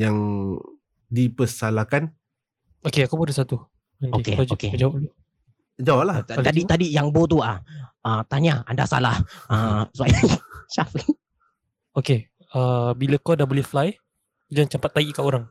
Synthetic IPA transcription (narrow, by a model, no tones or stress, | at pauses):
jaŋ | dipəsalakan | okeakupuadasat̪u | aoikḛad͡ʒoked͡ʒawali | d͡ʒawlaaadit̪adijaŋbot̪̬uaət̪aɲaa̰nda̰sa̰lahəsuajuʃafi | oke | əbilakɔdabolihflaj | ud͡ʒaŋt͡ʃampat̪ːaiʔkaoɾaŋ